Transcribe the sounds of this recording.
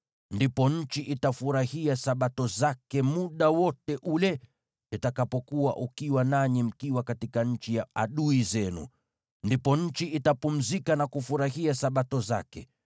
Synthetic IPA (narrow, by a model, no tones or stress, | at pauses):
ndipɔɲ̩t͡ʃiʔitafuɾahiasaɓatɔzakɛmuɗawɔtɛʔulɛ | itakapɔkuwa̰ʔukiwanaɲim̩kiwakatikaɲ̩t͡ʃijaaɗuizɛnṵ | ndipɔɲ̩t͡ʃiʔitapum̩zikanakufuɾahiasaɓatɔza̰kɛ̰